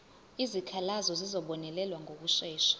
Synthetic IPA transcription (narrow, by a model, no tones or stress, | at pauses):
izikʰalazɔzizɔɓɔnɛlɛlwaŋʱok̬uʃɛːʃḁ